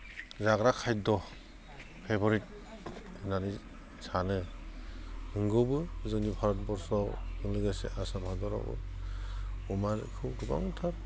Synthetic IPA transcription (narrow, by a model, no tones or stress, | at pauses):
zaɡɾakʰajdɔ | pʰebɔɾit̚ | ɯnani | sanɯ | nɯŋɡɯbɯzɯŋnipʰaɾɔt̚bɔɾsɔɯŋlɯɡasḛʔasamhadɔɾɔ̰bɯ̰ | umaɾkʰɯwduba̰ŋɯtʰaɾ